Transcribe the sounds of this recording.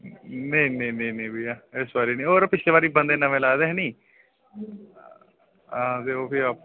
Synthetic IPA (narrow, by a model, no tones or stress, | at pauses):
neĩnẽinẽinẽːbiːaɪsbaːɾiːnĩːoːɾpɪseːʋaːɾiːbənd̪eːnəʋẽːlaːd̪eːɦɛniː | ãːt̪eːoːpiap